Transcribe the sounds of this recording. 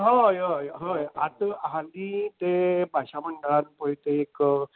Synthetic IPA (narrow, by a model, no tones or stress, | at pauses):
ɦəjɦəjɦəjat̪aɦad̪it̪ebʱaɕaməɳɖəɭanpəɦit̪eːk